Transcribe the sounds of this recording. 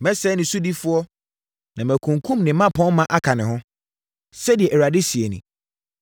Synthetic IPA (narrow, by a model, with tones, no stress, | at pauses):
mɛ˦sɛ˦nɪ̃˨su˦di˦fʊ˦ɔ˦ | nã˨mæ˨kʰũ˨ŋkʰũ˦mnɪ̃˨˦mã˦pʰɔ̃˦nmã˦ʔa˦kʰa˨nɪ̃˨ɦʊ̃˦ | sɛ˦di˨ɛ˨ʔɾa˨dɪ˦si˨e˨nḭ̃˨